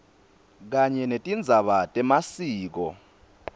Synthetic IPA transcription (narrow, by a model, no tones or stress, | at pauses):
k̬aɲɛnetʼind͡zʱaɓatʼɛmasiːk̬ɔ̰